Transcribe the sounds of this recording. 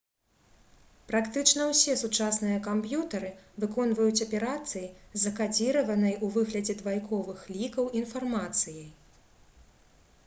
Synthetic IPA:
pɾakt̪ɨt͡ʂnɐwsʲɛsut͡ʂasnɨjɐkampjut̪ɐɾɨvɨkɔnvɐjut͡sʲɐpʲɛɾat̪sɨjizɐkad͡zʲiɾɐvɐnɐjuvɨɣlʲɐd͡zʲɛd̪vajkɔvɨxlʲikɐwinfarmat̪sɨjɐj

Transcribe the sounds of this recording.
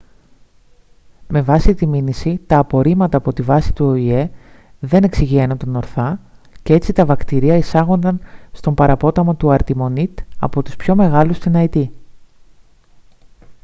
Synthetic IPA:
me̞vɐsit̪iminisit̪ɐːpo̞ɾimɐt̪ɐːpo̞t̪ivɐsi̥t̪uo̞ie̞ | ðe̞ne̞ksiʝienunt̪ono̞ɾθɐce̞e̞t͡sit̪ɐvɐkt̪iɾiɐisɐɣo̞nd̪ɐnst̪o̞mpɐɾɐpo̞t̪ɐmot̪uɐɾt̪imo̞nit̪ɐ̰po̞t̪uspço̞me̞ɣɐlust̪inɐit̪i

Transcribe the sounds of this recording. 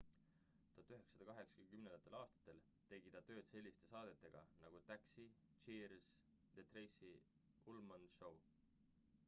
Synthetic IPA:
t̪u̥ɑt̪ːˑyɦe̞ksɑd̪ɑkɑɦe̞ksɑ̥kymnend̪ɑt̪ːelɑːst̪ɑ̥t̪ːˑe̞l | t̪e̞ɡ̥id̪̥ɑt̪ø̞ːd̪̥se̞lʲːist̪e̞sɑːd̪̥e̞t̪ˑːe̞ɡ̥ɑ̰nɑɡ̥ut̪æksi | t͡ʃiːɾs | d̪̥et̪rejsi | ulmɑnʃow

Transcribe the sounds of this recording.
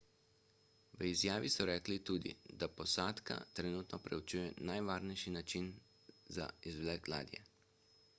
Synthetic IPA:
ʋəizjaːʋisɔɾɛːklit̪uːd̪ḭd̪apɔsaːt̪ka̰t̪ɾɛnuːt̪nɔpɾɛut͡ʃujɛnajʋaːɾnɛjʃinat͡ʃin | za̰izʋlɛkɡla̰ːd̪jɛ̰

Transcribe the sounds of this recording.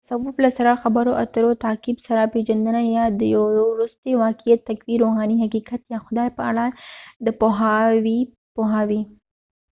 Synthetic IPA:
sawublasaɾaxabəɾoʔat̪əɾot̪ɑkɪbsaɾaped͡ʒand̪ənajɑd̪əjawoɾust̪ewɑkijat̪ːakwiɾoɦɑniɦakikat̪jɑxʊd̪ɑjpəa̰ɽad̪əpoɦawi | poɦawi

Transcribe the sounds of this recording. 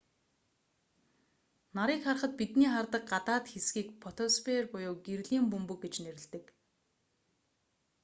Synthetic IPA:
naɾiːkχarχə̆t̪̚pit̪niːχart̪ə̆q̚ɢat̪aːt̪xesɡiːkpʰɔt̪ʰɔspʰerpʊjʊːɡeɾɮiːmpɵmpɵ̆kɡet͡ɕneɾɪ̆ɮt̪ɘ̆k

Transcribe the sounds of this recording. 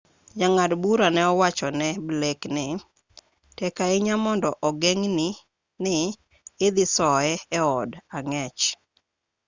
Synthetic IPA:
d͡ʒaŋadbuɾanɛɔwat͡ʃɔnɛbleknɪ | tɛkaɪɲamɔndɔʔɔɡɛŋnɪ | nɪː | d̪ɪsɔɛɛɔdaŋɛt͡ʃ

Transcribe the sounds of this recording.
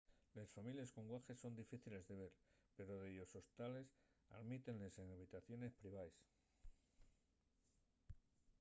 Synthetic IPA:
le̞sfamiljesko̞ŋɡwaxe̞sːo̞nd̪ifiθile̞zðe̞β̞e̞ɾpe̞ɾo̞ðeʝo̞so̞st̪ale̞s | a̰ðmit̪e̞nle̞se̞ŋaβ̞it̪aθjo̞ne̞spɾiβ̞aes

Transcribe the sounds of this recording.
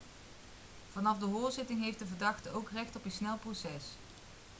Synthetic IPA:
v̥ɑnɑfdəɦʊːɹzɪtɪŋɦejftdəvəɹdɑχtəowkrɛxtɔpisnɛlˠprosɛs

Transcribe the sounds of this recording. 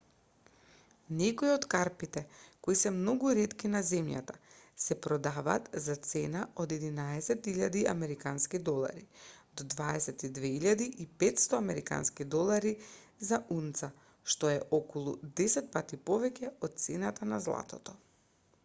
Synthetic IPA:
nɛkoiot̪kaɾpit̪ɛkoisɛmnɔɡuɾɛt̪kinazɛmja̰t̪asɛpɾɔd̪ava̰ːt̪zat̪sɛnaod̪ɛd̪inaɛsɛt̪iʎad̪ia̰mɛɾikanskid̪ɔlˠa̰ɾid̪ɔd̪vaɛsɛt̪id̪vɛiʎad̪iʔipɛt̪st̪ɔamɛɾika̰nskid̪ɔlˠaɾizaunt̪sa | ʃt̪ɔɛʔɔkɔlˠud̪ɛsɛt̪̚pat̪ipɔvɛcʲɛɔt̪̚t̪sɛnat̪anazlˠa̰t̪ɔt̪ɔ

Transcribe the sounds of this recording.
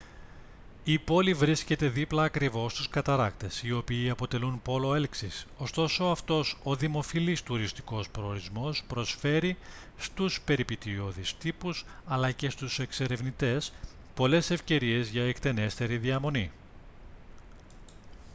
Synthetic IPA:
ipo̞livɾisce̞t̪e̞ðiplɐːkɾivo̞st̪uskɐt̪ɐɾɐkt̪e̞sio̞piːɐpo̞t̪e̞lunpo̞lo̞e̞lksiso̞st̪o̞so̞ɐft̪o̞so̞ðimo̞filist̪uɾist̪i̥ko̞spɾoːɾizmo̞spɾo̞sfe̞ɾi | st̪uspe̞ɾipit̪io̞ðist̪ipusɐlɐce̞st̪use̞kse̞ɾe̞vnit̪e̞s | po̞le̞se̞fce̞ɾie̞zʝɐekt̪e̞ne̞st̪e̞ɾiðiɐmo̞ni

